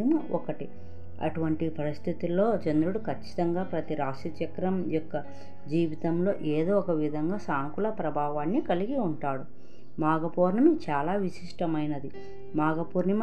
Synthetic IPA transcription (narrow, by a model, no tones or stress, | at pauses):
muɔkɐʈi | ɐ̰ʈuʋɐɳʈipɐɾist̪ʰit̪ilo̞ːt͡ʃend̪ɾuɽukʰɐt͡ʃːi̥t̪ɐŋɡaːpɾɐt̪iɾaːʂit͡ʃɐkɾɐmjɔkːɐ | d͡ʒiːʋit̪ɐmlo̞ːʔeːd̪oːɔkɐʋid̪ʱɐŋɡaːsaːŋkulɐpɾɐbʱaːʋaːnːikɐliɡiuɳʈaːɽu | maːɡɐpoːɾnɐmit͡ʃaːlaːʋiʃiʂʈɐmɐjnɐd̪i | maːɡɐpuːɾnɐm